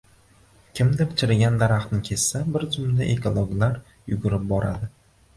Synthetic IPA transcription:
kʲʰɪmd̪apɪt͡ʃʰɪɾɪɡʲand̪aɾaχt̪nɪkʲʰe̞ssabɪɾzʊmlɪʔekʰolˠoɡlaɾ | jʊɡʊɾɪp̚bɒɾa̰d̪ɪ

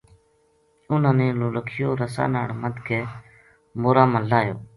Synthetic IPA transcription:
ʊnãːneːloːləkʰɪjoːɾəsa̰ːnaːɽməd̪kʰeː | moːɾaːmə̃laːjoː

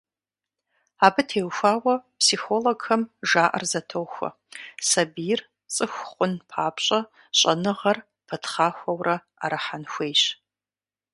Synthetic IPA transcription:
aːbɨtʰeːwxʷaːwɐpʰsixoloɡxɐmʒaːʔɐ̰rzɐtʰoːxʷɐ̰ | sɐbijɪr | t͡sʼɨxʷχʷʼʊnpʰaːpɕʼɐ | ɕʼɐnɨʁɐr | pʰɐtʰχaːxʷɐwrɐ | a̰ɾaħanxʷeːjɕ

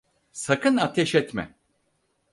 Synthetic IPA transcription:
sakʰɯnat̪ʰɛʃɛt̪mɛ̰

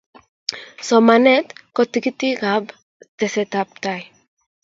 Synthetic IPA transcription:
somanet̪kot̪iɡit̪iɡab | d̪̥eset̪ap̚t̪aj

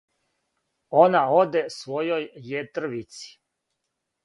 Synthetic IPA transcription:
o̞nao̞d̪esʋo̞jo̞jːet̪ɾ̩ʋit̪si̥

